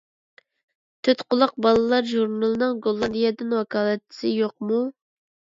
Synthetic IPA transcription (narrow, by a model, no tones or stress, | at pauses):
t̪ʰøt̪qʰʊlˠʊq̚bɑlˠɨlˠɑɾʒuɾnɑlˠɨnɨŋɡolˠːɑd̪ijɛd̪ɪnwɑkʰɑːlˠɛt̪̚t͡ʃʰːɪ̥sɪjoq̚mu